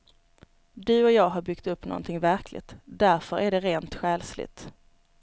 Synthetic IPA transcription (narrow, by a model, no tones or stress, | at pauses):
d̪ɵɔjɑːɡɦɑɾbʏkt̪ɵpːnɔ̰nt̪ʰɪŋvæɾkʰlɪ̰t̪d̪æɾfœɾʔæɖɛɾeːnt̪ɧɛːlslɪ̰t̪